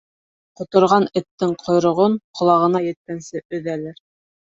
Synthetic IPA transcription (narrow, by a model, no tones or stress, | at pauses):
qŏt̪ŏɾʁɑnɘ̆t̪ːɘŋqʰŏjɾŏʁoɴqʰŏlˠɑʁɤ̆nɑjɘ̆t̪̚kænsɘʔɵ̆ðælɘɾ